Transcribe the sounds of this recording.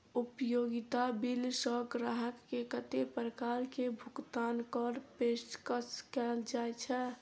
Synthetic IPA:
upjoɡɪt̪abilsɔkɾaɦəkːekət̪epəɾəkaɾkebʱʊkt̪aːnkɔɾpesʈkəskɛld͡ʒaet͡ʃʰɛ

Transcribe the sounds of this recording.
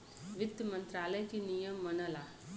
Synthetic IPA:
ʋɪd̪əmə̃nt̪ɾaːləjkinijəmːɐnəlaː

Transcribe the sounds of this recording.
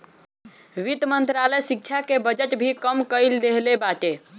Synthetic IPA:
ʋit̪mənt̪ɾaləjsik̚t͡ʃʰakebəd͡ʒəʈbʱikəmkəjld̪eɦlebaʈe

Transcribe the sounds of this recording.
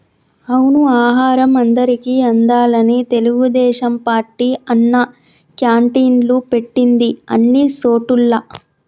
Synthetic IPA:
ɐwnuaːɦaːɾɐmɐnd̪ɐɾikiːɐnd̪aːlɐnit̪e̞luɡud̪ɛːʃɐmpaːɾʈːiɐnːɐ | kjaːɳʈiːnlupe̞ʈːind̪iɐ̰nːisoːʈulːɐ

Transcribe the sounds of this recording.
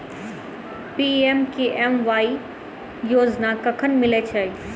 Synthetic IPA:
pieːmkeʔɛmʋaːi | joːd͡ʑnakɐkʰənɪ̆mɪlet͡ɕʰɐ

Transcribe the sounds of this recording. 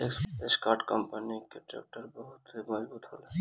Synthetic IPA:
ekeskaːɾʈkəmpəniket͡ʃɛ̰p̚ʈəɾbɔɦʊt̪imɔd͡ʒbuːt̪ɦo̰ːle

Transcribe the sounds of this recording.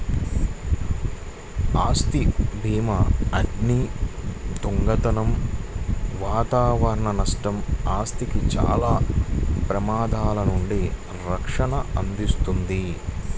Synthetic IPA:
aːst̪ibʱiːmɐɐɖni | d̪uŋɡɐt̪ɐnɐm | ʋaːt̪aːʋɐɾɐɳɐnɐʂʈɐmaːst̪ikit͡ʃa̰ːlaːpɾɐmaːd̪ʱaːlɐnuɳɖi | ɾɐkʂɐɳɐɐnd̪ist̪und̪i

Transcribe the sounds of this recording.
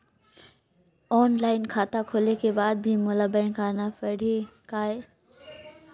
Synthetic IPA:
ɔːnlaːɪnkʰaːt̪akʰoːlekebaːd̪̚bʱɪmʊlabəɪ̃kaːnafɐɽ̤ʱekaːe

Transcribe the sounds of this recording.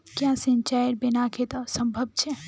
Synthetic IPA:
kjãsẽnt͡ʃajɾbɪnakʰet̪ɔsə̃mbʱəb̚t͡ʃʰe

